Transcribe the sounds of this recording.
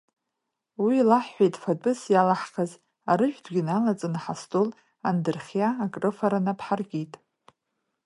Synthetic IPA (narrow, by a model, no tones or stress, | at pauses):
wilaħːʷejtʼfadʼɨsjalaħχaz | aɾɨʒᶣdɡʲinalat͡sʼɨnaħastʰʼol | andɨrχʲjaːkʼrɨfaɾanapʰħarɡʲijtʼ